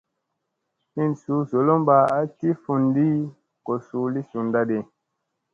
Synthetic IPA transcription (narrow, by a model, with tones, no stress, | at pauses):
hi˦˨nsu˨˦zo˨lo˦mba˨a˦ti˦fu˨ndi˦ | ko˨su˨˦li˦su˨nda˦de˨